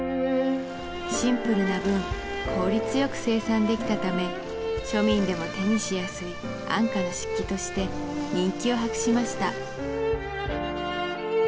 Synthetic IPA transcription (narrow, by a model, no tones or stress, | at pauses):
ɕĩmpɯ̟ɾɯ̟nabɯ̟̃ŋ | kʰo̞ːɾʲit͡sɨjo̞kɯ̟̥se̞ːsãnd̪e̞kʲi̥t̪at̪ame̞ | ɕo̞mʲĩnd̪e̞mo̞t̪aɲʲiɕijasɨi | ã̰ŋkanoɕi̥kʲːit̪o̞ɕi̥t̪e̞ | ɲ̟ĩŋkʲio̞ɦakɯ̟̥ɕimaɕi̥t̪a̰